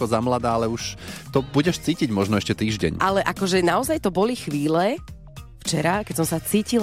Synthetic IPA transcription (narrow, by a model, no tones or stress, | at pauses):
ɔzamlad̪aːalɛuʃt̪ɔbuɟɛʃt͡siːciɟmɔʒnɔɛʃcɛt̪iːʒɟɛ̰ɲʔalɛʔakɔʒɛnaɔzajt̪ɔbɔlixʋiːlɛ | ft͡ʃɛɾakɛcsɔmsat͡siːcil